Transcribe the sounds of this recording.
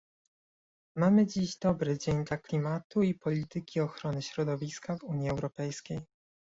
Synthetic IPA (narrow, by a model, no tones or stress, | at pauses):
mamɘd͡ʑiʑd̪ɔbɾɘd͡ʑeɲd̪laklʲimat̪uipɔlʲit̪ɘkʲiɔxɾɔnɘɕɾɔd̪ɔvʲiskavuɲjiɛwɾɔpɛjskʲej